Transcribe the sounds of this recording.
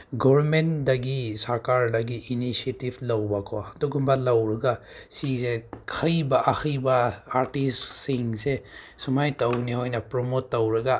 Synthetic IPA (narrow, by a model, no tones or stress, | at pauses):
ɡɔbɾmentdɐɡisaɾkaɾdɐɡiʔːnisietiblɐwbakʰɔduɡumbalɐwɾɐɡasisekʰɐjbaʔakʰɐjbɐaɾtissiŋse | sumajtɐwnihojnɐpɾomotːɐwɾɐɡa